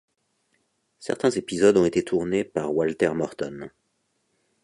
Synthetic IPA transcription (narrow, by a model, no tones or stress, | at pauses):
sɛ̰ʁt̪ɛ̃zepizɔd̪ɔ̃et̪et̪ʰuʁnepaʁwalt̪ɛʁmɔʁt̪ɔn